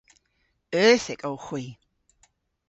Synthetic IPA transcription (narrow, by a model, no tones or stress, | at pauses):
œːθɪkʼowxwiː